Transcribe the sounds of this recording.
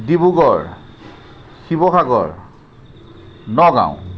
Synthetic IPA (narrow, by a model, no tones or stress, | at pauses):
dibuɡɔɹ | xibɔxaɡɔ̰ɹ | nɔɡã̰ʊ̰̃